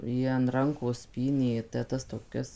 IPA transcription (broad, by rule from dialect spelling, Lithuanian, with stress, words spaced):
ˈjiɛ ɐn ˈrɐŋkoːs ˈpʲiːnʲeː tʲɛ ˈtɐs toːˈkʲɛs